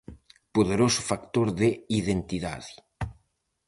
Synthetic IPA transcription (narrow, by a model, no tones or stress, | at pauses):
poðeɾosʊ̥fakt̪oɾðeiðent̪iða̰ði